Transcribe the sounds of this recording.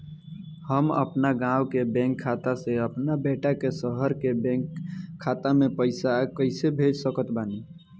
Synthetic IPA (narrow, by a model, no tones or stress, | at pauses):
həmə̰pnaɡãwkebɛ̃ŋkʰːat̪aseəpnabeʈakesəɦəɾkebɛ̃ŋkʰːat̪amẽpəɪsakəɪsebʱed͡ʒsəkət̪bani